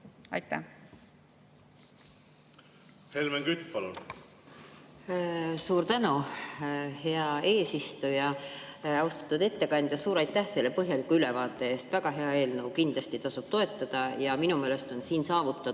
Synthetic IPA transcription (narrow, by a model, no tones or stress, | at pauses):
ɑ̰jt̪ːæ | helmeŋkyt̪ːˑpɑlṵn | suːɾt̪ænu | he̞ɑe̞ːsist̪ujɑ | ɑwst̪ɑ̥t̪ːˑud̪e̞t̪ːe̞kɑnʲd̪jɑsuːɾɑjt̪ːæhse̞lːepɤɦjɑlikːˑuyle̞vɑːt̪ːˑe̞eːst̪væɡ̥ɑɦe̞ɑe̞ːlnɤwkind̪lɑst̪it̪ɑsub̥t̪o̞e̞t̪ːˑɑd̪̥ɑjɑminumeːle̞st̪o̞nsiːnsɑːvut̪ːˑɑ